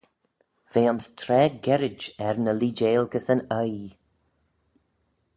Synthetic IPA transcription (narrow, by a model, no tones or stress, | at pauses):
v̥eːʊnstʰɾɛːɡɛɾɪd͡ʒɛɹnəliːd͡ʒeːlɡəsənəj